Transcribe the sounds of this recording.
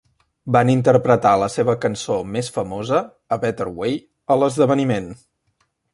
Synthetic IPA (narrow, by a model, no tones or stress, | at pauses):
banint̪əɾpɾət̪aləseβəkənsomesfəmozə | əβɛt̪əɾwej | ələzðəβənimen